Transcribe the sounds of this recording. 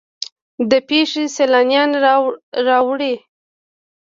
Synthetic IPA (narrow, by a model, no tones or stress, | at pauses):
d̪əpeʂeselɑnjɑn | ɾɑwɽi